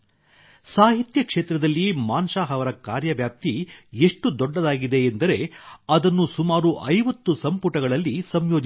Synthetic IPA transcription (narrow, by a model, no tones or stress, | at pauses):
saːɦit̪jɐkʂeːt̪ɾɐd̪ɐlːimaːnʃaːɦɐʋɐɾɐkaːɾjɐʋjaːp̚t̪ieʂʈud̪ɔɖːɐd̪aːɡid̪e̞ːnd̪ɐɾe̞ɐd̪ɐnːusumaːɾuʔɐjʋɐt̪ːusɐmpuʈɐɡɐɭɐlːisɐmjoːd͡ʒ